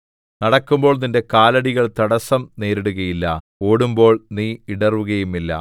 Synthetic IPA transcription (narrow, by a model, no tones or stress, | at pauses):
nɐɽɐkːumbo̞ːɭninde̞kaːlɐɽiɣɐɭt̪ɐɽɐsɐmne̞ːɾiɽuɣɐjilːɐ̰ | oːɽumbo̞ːɭniːiɽɐrʋuɣɐjumilːɐ̰